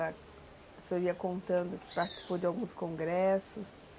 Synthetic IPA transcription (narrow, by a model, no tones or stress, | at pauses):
ɐ | soiɐkõnt̪ɐ̃nd̪ʊkɪ̥paɾt͡ʃɪ̥si̥powd͡ʒɪawɡũskõŋɡɾɛsʊs